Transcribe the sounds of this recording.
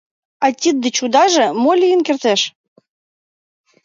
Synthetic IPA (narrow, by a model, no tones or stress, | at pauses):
ɑtʲid̪̚ːə̆t͡ɕud̪ɑʒĕmolʲijənkert̪eʃ